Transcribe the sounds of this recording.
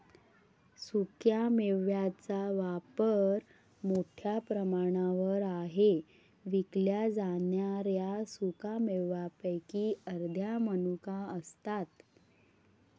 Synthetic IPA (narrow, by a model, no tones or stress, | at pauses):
sukjameʋjat͡saʋapəɾ | moʈʰjapɾəmaɽ̃aʋəɾaɦe | ʋikljad͡zanjaɾjasukameʋapəjkiːəɾd̪ʱjamənukaəst̪at̪